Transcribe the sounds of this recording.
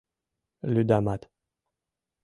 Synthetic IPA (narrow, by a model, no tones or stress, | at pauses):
lyd̪amat̪